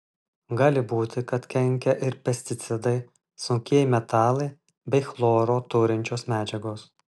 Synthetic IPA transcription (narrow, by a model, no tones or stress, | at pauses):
ɡɑːlʲɪbuːt̪ʲɪkɐt̪kʲɛŋʲkʲɛʔɪɾpʲɛsʲt̪ʲɪt̪sʲɪd̪ɐɪ | sʊŋʲkʲiɛjmʲɛt̪ɑːlˠɐɪ | bʲɛɪxlˠoːɾoːt̪ʊɾʲɪnʲt͡ʃʲoːsmʲæːd͡ʒʲɛɡoːs